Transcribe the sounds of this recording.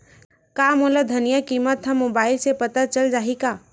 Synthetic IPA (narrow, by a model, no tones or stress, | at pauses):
kamolad̪ʱənijakimət̪ɦəmːobaːɪlsepət̪at͡ʃəld͡ʒaːɦika